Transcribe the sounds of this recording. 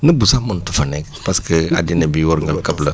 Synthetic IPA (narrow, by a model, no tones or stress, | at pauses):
nəbusamʊ̃ntufanɛ | paskəa̰dinebiwɔɾŋɡəlkabla